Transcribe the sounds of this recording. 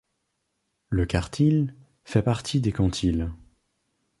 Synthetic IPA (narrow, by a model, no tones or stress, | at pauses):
ləkaʁt̪ʰil | fɛpaʁt̪ʰid̪ekɑ̃t̪ʰil